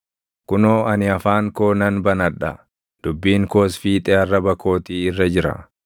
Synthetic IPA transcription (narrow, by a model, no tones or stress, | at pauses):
kʊnoːɐnɪɐfaːŋkoːnɐnbɐnɐᶑɐ̰ | d̪̥ʊbːiːŋkoːsfiːt̪ʼeːɐrːɐbɐko̞ːt̪iɪrːɐd͡ʒɪɾɐ̰